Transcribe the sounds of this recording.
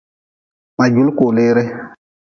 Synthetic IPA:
ma˨d͡ʒu˦lko˨leː˦ɾe˦

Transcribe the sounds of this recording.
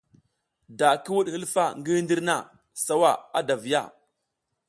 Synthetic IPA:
da˨ki˦wu˦ɗhi˦lfa˦˨ŋɡi˦ndi˦ɾna˦˨ | sa˦wa˦˨a˦da˨vi˨ja̰˦˨

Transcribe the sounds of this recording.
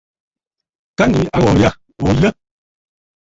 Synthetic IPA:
ka˦ni˨˦ʔa˦wɔ˨ja˦ | o˨lə˦

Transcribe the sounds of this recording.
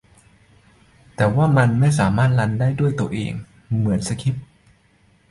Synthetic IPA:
t̪ɛː˨˩waː˥˩ma˧nma˥˩js̬aː˩˦maː˥˩t̪̚la˧ndaː˥˩jdu˥˩əjt̪u˧ɐʔḛː˧ŋ | mɯ˩˦ənsa˧kʰi˦˥p̚

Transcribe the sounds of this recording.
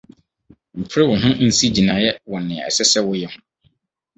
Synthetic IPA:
m̩˨pʰɾɪ˦wʊ˨nʊ̃˦n̩˦si˦d͡ʑi˨nã˨jɛ˦wɔ˨nɪ̃˨ɛ̰˨sɛ˦sɛ˦wʊ˦jɛ˦hʊ̃˦

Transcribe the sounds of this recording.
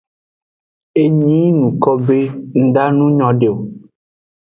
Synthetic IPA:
e˦ɲĩ˦nũ˨kɔ˦be˦ŋ̩˦ɖa˦nũ˦ɲɔ̃˨ɖe˨o˨

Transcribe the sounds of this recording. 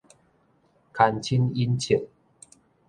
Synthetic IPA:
kʰa˧nt͡ɕʰi˦ni˦nt͡ɕʰi˨ŋ̚

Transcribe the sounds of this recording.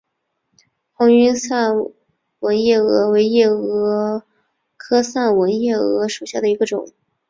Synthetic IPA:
xɑ˧˥ŋy˥nsa˥˩n | wə˧˥njɛ˥˩ɤ˧˥we˧˥ɪjɛ˥˩ɤ˧˥ | kʰɤ˥sa˥˩nwə˧˥njɛ˥˩ɤ̰˧˥ʂu˨˩ɕja˥˩d̪ə˩i˧˥ɡə˧ʈ͡ʂʊ̰˨˩˦ŋ

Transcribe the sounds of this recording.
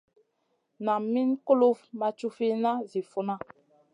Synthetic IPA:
na˨mi˦nko˦lo˦vma˨t͡ʃu˦fi˦na˦zi˨fu˨na˦

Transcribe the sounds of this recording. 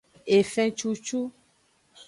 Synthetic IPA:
e˨fɛ̃˨t͡ʃu˦t͡ʃu˦

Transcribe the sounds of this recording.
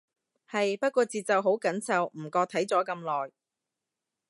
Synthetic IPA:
hɐ˨jpɐ˥t̚kʷɔː˧t͡siː˨t̚t͡sɐ˨wɦo˨˥wkɐ˨˥nsɐ˨wm̩˨˩kɔː˧t̪ʰɐ˨˥jt͡sɔː˨˥kɐ˧mlɔː˨˩j

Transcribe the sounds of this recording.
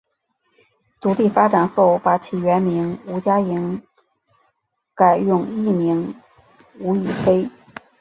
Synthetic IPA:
t͡s̪u˧˥li˥˩fa˥ʈ͡ʂa˨˩nxo˥˩ʊpa˧˥t͡ɕʰi˨˩ɥɛ˧˥nmi˧˥ŋu˧˥t͡ɕja˥i˧˥ŋ | ka˨˩ɪjʊ˥˧ŋi˥˩mi˧˥ŋ | u˧˥y˨˩fe˥ɪ

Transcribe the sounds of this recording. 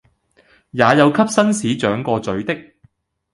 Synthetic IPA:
jaː˨˧jɐ˨˧wkʰɐ˥p̚sɐ˥nsiː˨˥t͡ʃœː˨˥ŋkɔː˧t͡sɵ˨˥ɥt̪ɪ˥k̚

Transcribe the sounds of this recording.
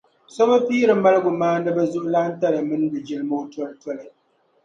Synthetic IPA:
sɔ˦ba˦piː˦ɾɨ˨m̩˦a˦lɨ˦ɡu˨maː˦n̩˦dɨ˦bɛ˦zu˦ʔla˦n̩˦ta˦ɾɨ˨mɨ˦n˦bɨ˨d͡ʒi˨lɨ˦mo˦tɔ˦ltwɔ˦lɨ˨

